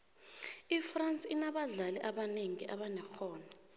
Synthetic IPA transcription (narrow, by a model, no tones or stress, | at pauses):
ifrant͡sʼinaɓaɮaliʔaɓaneŋiʔaɓanɛxɔːna